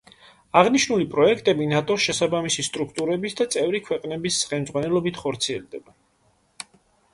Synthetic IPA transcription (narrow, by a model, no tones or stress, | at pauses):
aʁniʃnulipʼɾɔɛkʰt̪ʼɛbinat̪ʼɔʃɛsabamisist̪ʼɾukʰt̪ʼuɾɛbisd̪at̪sʼɛvɾikʰwɛqʼnɛbisχɛlmd̪zʁwanɛlˠɔbit̪ʰχɔɾt̪sʰiɛld̪ɛba